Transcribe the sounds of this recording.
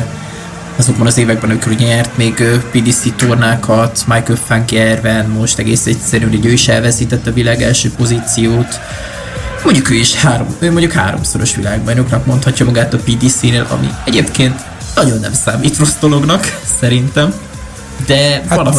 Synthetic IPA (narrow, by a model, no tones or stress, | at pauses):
ɒzot̪bɒnɒzeːvɛɡ̚bɛnɒmikoɾuːɟɛɲɛrt̪meːɡøːpid̪iːsit̪ornaːkʰɒt̪majkɛlfaŋkɛrvɛnmo̞ʃt̪ɛɡeːsɛc̚t̪sɛɾyːniɟøːiʃɛlvɛsiːt̪ɛt̪ːɒvilaːɡɛlʃøːpo̞ziːt̪sijoːt̪ | mo̞ɲɟukøːiʃhaːɾomøːmo̞ɲɟukha̰ːɾo̰mso̞ɾo̞ʃʋilaːɡbɒjnoknɒkmo̞nt̪hɒcːɒmɒɡaːt̪ɒpid̪isiːneːlʔɒ̰mḭɛɟeːpkeːnt̪ | nɒɟo̞nːɛ̰msaːmiːt̪ro̞zd̪o̞lo̞ɡnɒksɛɾint̪ɛm | d̪ɛaɒl